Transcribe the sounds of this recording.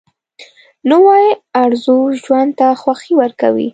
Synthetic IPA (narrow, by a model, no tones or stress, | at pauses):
nowɑjiaɾzuʒwand̪̚t̪axwaxiwəɾkawḭ